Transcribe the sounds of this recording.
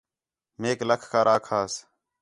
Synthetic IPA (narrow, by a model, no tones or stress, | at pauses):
meːkləkʰkʰaːɾaːkʰaːs